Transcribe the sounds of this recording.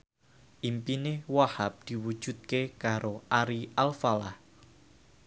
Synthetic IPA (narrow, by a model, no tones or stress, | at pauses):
ʔimpinɪhwahap̚d̪̥i̤wud̥ʒ̥ṳt̪̚kekaɾoʔaɾiʔalfalah